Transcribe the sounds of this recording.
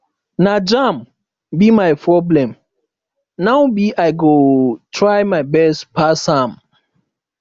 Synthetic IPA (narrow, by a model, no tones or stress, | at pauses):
nad͡ʒam | bimajpʰɹɔblɛ̃m | nawbiʔajɡotʰɹajmaɪbɛstpasãm